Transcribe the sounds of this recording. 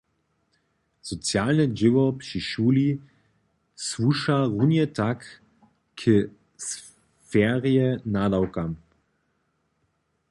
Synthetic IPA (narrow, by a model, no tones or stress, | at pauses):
z̥ɔt͡sjaːlnəʒɪʋɔpʃiʃuːli | svuʃaʁunjətak | kʰə | s | fɛːʁiənadawkam